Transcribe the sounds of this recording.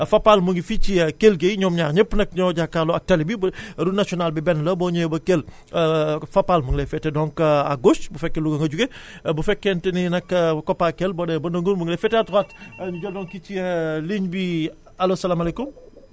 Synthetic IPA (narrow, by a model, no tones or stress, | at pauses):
fɐpːalmuŋɡifit͡ʃikelɡejɲɔːmɲaːɾɲəpːnɐk̚ɲɔɟakːaloɐk̚tɐlibibɾunasiɔnaːlbibɛnlɐbɔɲɔjbɐkel | fɐpːalmuŋlefɛtɛdɔŋkɐa̰ɡosbufɛkːeluɡɐŋɡɐɟuɡebufɛkːɛntɛninɐkːɐkɔpːakelbɔdɛbɐnɐŋɡunbuŋɡlɛfɛtɛatwatnɟɔdɔŋkit͡ʃiliɲbi | ɐlosɐlaːmalekum